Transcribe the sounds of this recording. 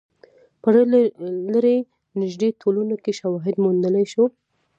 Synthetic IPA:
pəɽlaɾe | nɪʒd̪etʰolunokeʃawɑɦɪd̪mund̪əlajʃo

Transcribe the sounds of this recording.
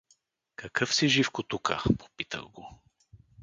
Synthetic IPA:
kɐkɤfsiʒifkot̪ukə̰po̥pit̪ə̰ɣɡo

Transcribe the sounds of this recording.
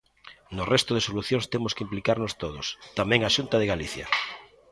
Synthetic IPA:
nʊrɛst̪ʊð̞esoluθjoŋst̪emʊskɪimplikaɾnost̪oðʊst̪amɛ̃ŋaʃunt̪ɐðɪɣaliθjɐ̰

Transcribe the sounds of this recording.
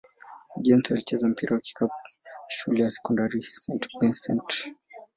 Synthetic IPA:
ʄɛm̩talit͡ʃɛzam̩piɾʔawaki̥kaʃulɛjasɛ̥kɔndaɾisɛntbinsɛnt

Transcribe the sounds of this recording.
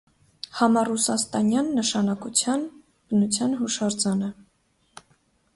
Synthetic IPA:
hɑmɑrusɑst̪ɑnjɑnːəʃɑnɑkut͡sʰjɑn | b̥ənut͡sʰjɑnɦuʃɑɾd͡zɑnə

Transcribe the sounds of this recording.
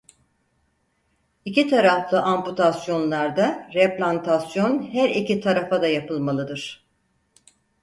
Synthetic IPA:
icit̪ʰaɾaflˠɯʔamput̪ʰasjo̞nlˠaɾd̪aɾɛplʲant̪ʰasjo̞nhæɾicit̪ʰaɾafad̪ajapʰɯlˠmalˠɯd̪ɯɾ̥

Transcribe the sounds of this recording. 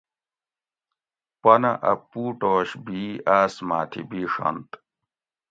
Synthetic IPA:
pɐnɐʔɐpːuːʈoːɕbiaːsmaːt̪ʰḭbiːʂɐ̰nt̪

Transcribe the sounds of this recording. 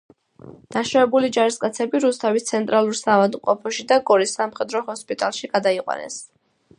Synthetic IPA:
d̪̥aʃavɛbulid͡ʒaɾiskʼat̪sʰɛbiɾust̪ʰavist̪sʰɛnt̪ʼɾʔalˠuɾsaːvad̪mqʼɔpʰɔʃid̪aɡɔɾisːamχɛd̪ɾɔhɔspʼit̪ʼalˠʃiɡ̥ad̪aiqʼwa̰nɛ̰s

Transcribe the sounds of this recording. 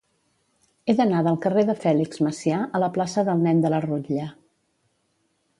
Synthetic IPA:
eðənaðəlˠkəreðəfɛlikzməsiaʔələplasəðəlˠnɛnd̪ələruʎə

